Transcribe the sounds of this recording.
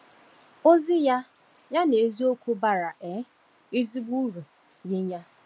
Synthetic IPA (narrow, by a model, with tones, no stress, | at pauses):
o˦zi˦ja˦ | ja˦ne˨zi˦o˦kʷu˦ba˨ɾa˨ʔe˨˦ | i˦zi˦ɡ͡bu˦ɾu˨ | jɪ˦ɲa˦